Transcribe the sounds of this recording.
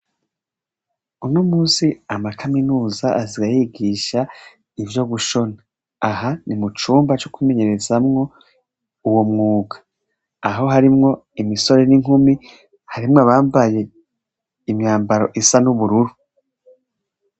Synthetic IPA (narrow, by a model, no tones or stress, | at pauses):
unoːmuːsiamakaminuːzaʔaziɡajiːɡiːʃa | ivjo̞ɡuʃo̞naː | ɦanimut͡ʃuːmbat͡ʃokime̞ɲe̞ɾe̞zamŋo̞ | uwomŋuːɡḁː | ɦo̞ɦaɾimŋo̞imiso̞ɾe̞niŋ̥humi | haɾimŋaβaːmvaje̞ | imɲaːmbaɾo̞ʔisanuβuɾuɾu